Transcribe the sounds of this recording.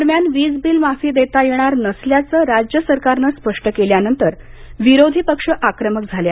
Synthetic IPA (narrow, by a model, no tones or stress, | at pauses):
d̪əɾmjanʋiːd͡zbiːlmafiːd̪et̪ajeɽ̃aɾnəsljat͡səːɾad͡ʑjəsəɾkaɾnəspəʂʈəkeljanənt̪əɾʋiɾod̪ʱiːpəkʂəʔakɾəmək̚d͡zʱalja